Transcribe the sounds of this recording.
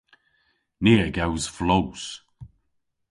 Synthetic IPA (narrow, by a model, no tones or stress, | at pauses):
niəɡawz̥flows